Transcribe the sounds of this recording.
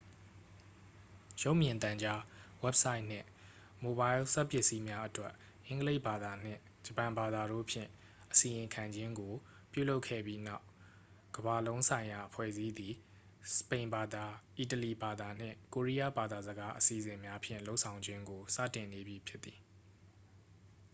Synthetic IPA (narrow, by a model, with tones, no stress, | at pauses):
jo˦ʊʔmjɪ̃˨nt̪ã˨ɲd͡ʑa˦wɛ˦p̚sa˦ɪʔn̥ɪ̰̃˦˨ | mo˨ba˦ɪ˦lsa˦ʔpjɪ˦ʔsi˦mja˦ʔətwɛ˦ʔ | ʔɪ̃˦ŋɡəle˦ɪʔba˨d̪a˨n̥ɪ̰̃˦˨ | d͡ʑə˨pã˨mba˨d̪a˨ɾo̰˦˨pʰjɪ̰̃˦˨ | ʔəsi˨jɪ̃˨ŋkʰã˨ɲd͡ʑɪ̃˦ŋɡo˨ | pjṵ˦˨lo˦ʊkʰɛ̰˦˨bji˦na˦ʊ | ɡ̥əba˨lõ˦ʊ̃nsʰã˨ɪ̃ja˨ʔəpʰwɛ̰˦˨zi˦d̪i˨ | sə̥pẽ˨ɪ̃mba˨d̪a˨ʔi˨t̬əli˨ba˨d̪a˨n̥ɪ̰̃˦˨ko˨ɹi˦ja̰˦˨ba˨d̪a˨zəɡa˦ʔəsi˨zɪ̃˨mja˦pʰjɪ̰̃˦˨lo˦ʊʔsʰã˨ʊ̃ɲd͡ʑɪ̃˦ŋɡo˨sä̰˦˨tɪ̃˨ne˨bji˨pʰjɪ˦t̪θi̥˨